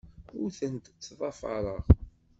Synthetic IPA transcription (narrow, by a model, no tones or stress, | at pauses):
ʊɾθənt̪t͡sːðˤɑfɑ̰ɾˤəʁ